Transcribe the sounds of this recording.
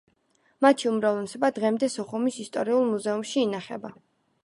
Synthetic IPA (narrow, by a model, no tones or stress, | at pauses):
mat̪ʰiumɾavlɛsɔbad̪ʁɛmd̪ɛsɔχumisist̪ʼɔɾiulˠmuzɛumʃiːnaχɛba